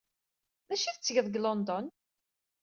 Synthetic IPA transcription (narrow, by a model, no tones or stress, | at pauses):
ðæʃiθt͡sːʝəðˤɡlɔnd̪ɔn